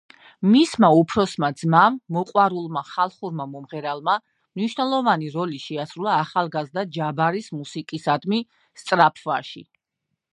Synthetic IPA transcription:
mismaupʰɾɔsmad̪z̥mamːɔqʼwaɾulˠmaχalˠχuɾmamɔmʁɛɾalˠma | mniʃwnɛlˠɔvaniɾɔliʃɛasɾulˠaːχalˠɡazd̪ad͡ʒabaɾismusikʼisad̪mi | st̪sʼɾapʰvaʃḭ

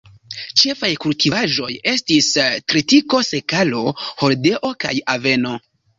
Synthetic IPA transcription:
t͡ʃe̞fajkultʰivaʒo̞je̞stistɾitiko̞se̞kalo̞ho̞lde̞ʔo̞ka̰jave̞no̞

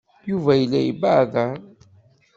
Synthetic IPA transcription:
juvæjəlːæjḭbaʕðæ

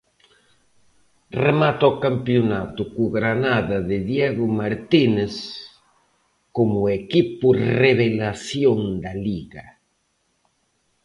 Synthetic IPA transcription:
remat̪okampjonat̪ʊkuɣɾanaðaðɪðjeɣʊmaɾt̪ines | komʊekipʊreβelasjoŋd̪aliɣa

